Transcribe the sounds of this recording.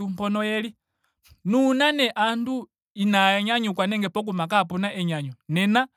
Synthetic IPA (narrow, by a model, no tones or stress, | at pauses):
umpɔnɔjɛli | nunanɛʔandu | inaɛɲaɲukwanɛŋɡɛpɔk̬umak̬apunaʔɛɲaɲunɛna